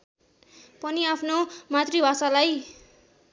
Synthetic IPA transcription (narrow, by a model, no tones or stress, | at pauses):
pʌniapʰnomat̪ribʱasalaj